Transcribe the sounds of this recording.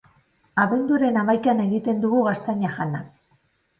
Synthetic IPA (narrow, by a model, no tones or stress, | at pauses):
aβe̞nd̪uɾe̞namajkane̞ɣit̪e̞nd̪uɣuɣast̪aɲaxanak̚